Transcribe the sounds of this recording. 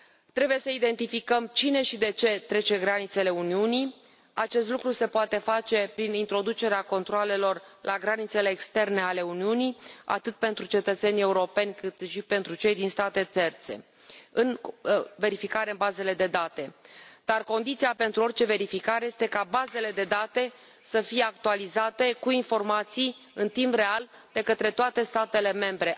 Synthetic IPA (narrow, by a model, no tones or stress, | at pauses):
t̪ɾe̞buje̞səid̪e̞nt̪ifikəmt͡ʃine̞ʃid̪e̞t͡ʃe̞t̪ɾe̞t͡ʃe̞ɡɾanit̪sele̞uniuni | at͡ʃe̞st̪lukɾuse̞poat̪e̞fat͡ʃe̞pɾinint̪ɾo̞d̪ut͡ʃe̞ɾeako̞nt̪ɾoale̞lo̞rlʔaɡɾanit̪se̞le̞ːkst̪e̞rne̞ale̞uniunia̰t̪ɨt̪̚pe̞nt̪ɾut͡ʃe̞t̪ət̪se̞nʲe̞uɾo̞pe̞nʲkɨt̪ʃipe̞nt̪ɾut͡ʃe̞jd̪inst̪at̪e̞t̪e̞rt̪se̞̰ | ɨnve̞ɾifikaɾeɨnbaze̞le̞d̪e̞d̪at̪e̞d̪̥arko̞nd̪it̪sijape̞nt̪ɾuo̞rt͡ʃe̞ve̞ɾifikaɾeje̞st̪e̞kabaze̞le̞d̪e̞d̪at̪e̞ | səfije̞ak̚t̪ualizat̪e̞kuinfo̞rmat̪si | ɨnt̪impre̞ald̪e̞kət̪ɾe̞t̪oat̪e̞st̪at̪e̞le̞me̞mbɾe̞